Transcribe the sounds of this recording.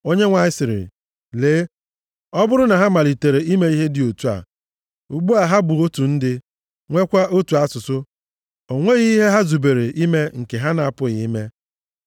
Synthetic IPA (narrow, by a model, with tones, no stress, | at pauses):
o˦ɲe˦ŋʷa˨ɪ˦sɪ˨ɾɪ̰˨ | leː˨˦ | ɔ˦bʊ˦ɾʊ˦na˨ɦa˦ma˨li˨te˨ɾe˨i˦me˦i˦ɦe˦dɪ˨o˨tu˦a̰˨ | u˨ɡ͡bu˦a˨ɦa˦bʊ˨o˦tu˨n̩˦dɪ˦ | ŋʷe˦kʷa˦ʔo˦tu˨a˦sʊ˨sʊ˦ | o˨ŋʷe˦ɣi˦i˦ɦe˦ɦa˦zu˨be˨ɾe˨ʔi˦me˦ŋ̩˨ke˨ɦa˦na˨a˨pʊ˦ɣɪ˨i˦me˦